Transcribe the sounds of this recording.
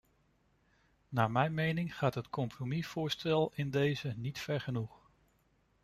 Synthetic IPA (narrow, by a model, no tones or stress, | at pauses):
naːmɛjnmejnɪŋχaːtɦətkɔmpromiv̥ʊːɹstɛlˠɪndejzənitfɛɹχənuχ